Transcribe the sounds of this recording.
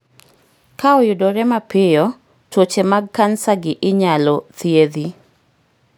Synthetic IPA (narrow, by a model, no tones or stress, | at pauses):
kaɔjʊdɔɾɛmapɪjɔ | twot͡ʃemaɡ̚kansaɡɪʔɪɲalɔt̪jeði